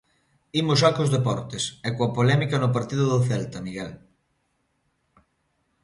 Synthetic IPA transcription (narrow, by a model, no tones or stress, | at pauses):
imʊsʃakozðepɔɾt̪esɛkoɐpolɛmikɐnʊpaɾt̪iðʊðʊθɛlt̪ɐmiɣɛl